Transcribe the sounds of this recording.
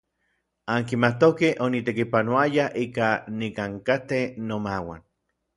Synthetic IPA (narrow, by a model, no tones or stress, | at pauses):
aŋkimat̪okehʔonit̪ekipanoajaʔikanikaŋkat̪enomawa̰n